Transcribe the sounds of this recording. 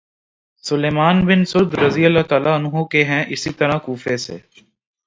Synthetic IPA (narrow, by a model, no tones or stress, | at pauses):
sʊleːmaːnbɪnsʊd̪ɾɐzijəlat̪aːlaɐnɦukeɦɛ̃ʔɪsit̪ɐɾãkuːfesḛː